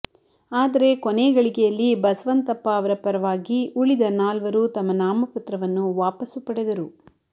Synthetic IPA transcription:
aːd̪ɐɾe̞koneːɡɐɭikɛjɐlːibɐsʋɐnt̪ɐpːɐːʋɐɾɐpɐɾɐʋaːɡiuɭid̪ɐnaːlʋɐɾut̪ɐmːɐnaːmɐpɐt̪ɾɐʋɐnːuʋaːpɐsupɐɽed̪ɐɾu

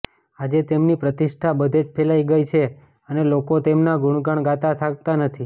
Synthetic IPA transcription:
ad͡ʒet̪emnipɾət̪iʃʈʰabəd̪ʱed͡ʒpʰelaiɡəjt͡ʃʰe | ənelokot̪emnaɡuɳɡəɳɡat̪at̪ʰak̚t̪anət̪ʰi

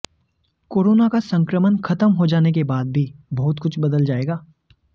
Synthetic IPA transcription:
koːɾoːnakasɐ̃ŋkɾəmənkʰɐt̪əmɦod͡ʒaːnek̬ebaːd̪̚bʱibɔːʊt̪kʊt͡ʃʰbɐd̪əld͡ʒaːeːɡaː

